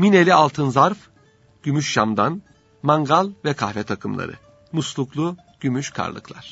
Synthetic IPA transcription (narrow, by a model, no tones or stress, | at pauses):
mine̞lʲialˠt̪ʰɯnzaɾf | ɟ̥ymyʃʃamd̪an | maŋɡalˠvɛkʰahvɛt̪ʰakʰɯmlˠa̰ɾɯ̰ | muslˠuklˠu | ɟ̥ymyʃkʰa̰ɾlˠɯ̰klˠaɾ̥